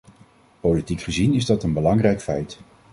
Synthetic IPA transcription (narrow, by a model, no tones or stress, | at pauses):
politikχəzinɪzdɑtənbəlɑŋrɛjkfɛjt